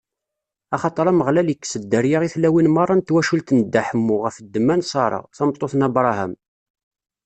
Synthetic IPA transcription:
ɑχɑt̪ˤəɾˤɑməʁlæləkːsəd̪ːəɾjaʁiθlæwinmɑrˤːɑnt̪wæʃult̪nəd̪ːæħəmːʊʁəfəd̪ːəmːænsˤɑɾˤɑ̰ʁθɑmt̪ˤːoθnɑbɾˤɑhæ̰m

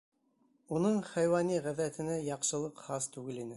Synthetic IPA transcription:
unɤɴχæjwɑniʁæðæt̪ɘ̆næjɑqʃɤ̆lˠɤqχɑst̪ʉɡɘlinɘ

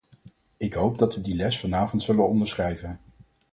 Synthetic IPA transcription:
ɪkɦowb̚dɑtʋədilɛsfɑnaːvɔntsɵlənɔndəɹsχrɛjvən

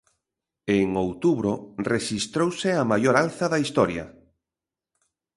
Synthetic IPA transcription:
eŋowt̪uβɾoreʃist̪ɾowsɪamajoɾalθɐðɐist̪ɔɾja̰

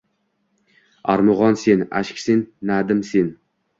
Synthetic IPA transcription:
aɾmʊʁɒnse̞na̰ʃkʲsenːad̪ɪmsen

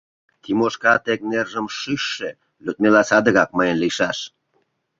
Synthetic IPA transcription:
t̪imoʃkɑt̪ek̚nerʒəmʃyʃːe | løt̪̚melɑsɑd̪əɣɑk̚mɤjə̆nliʃɑʃ

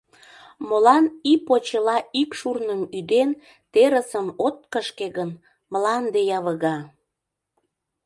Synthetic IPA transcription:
molɑnipot͡ɕəlɑikʃurnəmyd̪en | t̪eɾəsəmot̪̚kəʃkeɣən | mlɑnd̪ejɑβəɣɑ

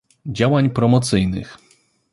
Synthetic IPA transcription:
d͡ʑawaɲpɾɔmɔt̪sɘjnɘ̰x

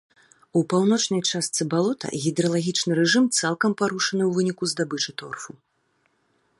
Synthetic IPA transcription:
upawn̪ɔt͡ʂnɐjt͡ʂast̪sɨbalˠɔt̪ɐ̰ɣʲid̪ɾɐlˠaɣʲit͡ʂnɨɾɛʐɨmt̪salˠkɐmpaɾuʂɐnɨwvɨnʲikuzd̪abɨt͡ʂɨt̪ɔrfu

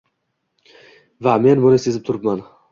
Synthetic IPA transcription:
vame̞nbʊnɪsezɪp̚t̪ʰʊɾɪpman

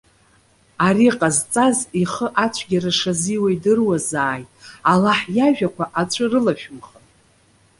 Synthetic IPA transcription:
aɾiqʼazt͡sʼaziχəʔat͡ʃʷʰɡʲaɾaʂaziwaidɨrwazaːjtʼalaħjaʒᶣakʷʰaʔat͡ʃʷʰɨrɨlaʃᶣʊmχanʼ

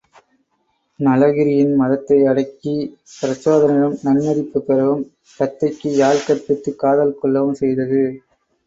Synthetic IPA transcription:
nɐlɐɣɪɾɪjɪnmɐðɐt̪ːɐɪɐɽɐɪkːipɪɾɐsoːðɐnɪɐɭɯmnɐnmɐɾɪpːɯpːɛɾɐʋɯm | kɐt̪ːɐɪkːɯjaːlkɐɾpɪt̪ːɯkːaːðɐlkɔɭːɐʋɯmsɛjðɐðɯ

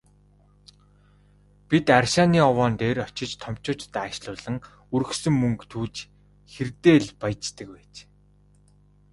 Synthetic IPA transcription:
pit̪arʃaːniːɔwɔːnt̪eːrɔt͡ɕɪ̆t͡ɕt̪ʰɔm̥t͡ɕʊːt͡ɕt̪aːʃɮʊːɮə̆ŋ | uɾɵ̆xsɵ̆mːɵŋkt̪ʰuːt͡ɕ | xert̪eːɮpaj̆t͡ɕt̪ə̆k̚pæːt͡ɕ

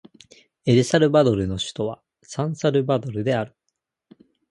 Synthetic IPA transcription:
e̞ɾɯ̟saɾɯ̟bad̪o̞ɾɯ̟no̞ɕɨ̥t̪o̞β̞a | sãɰ̃saɾɯ̟bad̪o̞ɾɯ̟d̪e̞aɾɯ̟

